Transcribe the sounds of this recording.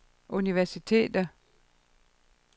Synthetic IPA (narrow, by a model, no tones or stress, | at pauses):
ʔuniʋæɐsit͡sʰe̝̰ːd̥ɐ